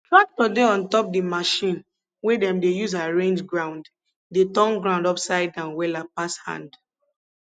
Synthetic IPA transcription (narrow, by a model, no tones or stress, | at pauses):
tɹak̚tɔdeɔ̃ntɔp̚dimaʃĩn | wɛdɛ̃mdejuzaɹẽnd͡ʒɡɹãʊ̃nd | detɔ̃ŋɡɹãʊ̃ndɔpsaɪdãnwɛlapashã̰nd